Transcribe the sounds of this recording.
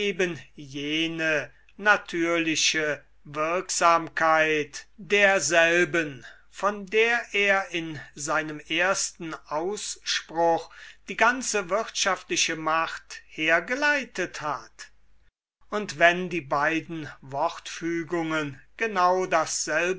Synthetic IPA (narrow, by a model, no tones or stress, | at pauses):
eːbənjeːnə | natʰyːɐlɪɕə | vɪɐkz̥aːmkʰaɪtd̥eːɐzɛlbən | fɔndeːɐʔeːɐɪnzaɪnəmeːɐstn̩ʔaʊsʃpʁʊxd̥iːɡant͡səvɪʁtʃaftlɪʃəmaχtheːɐɡəlaɪtəthat | ʊntv̥ɛndiːbaɪdn̩vɔʁtfyːɡʊŋənɡ̥ənaʊdasz̥ɛlb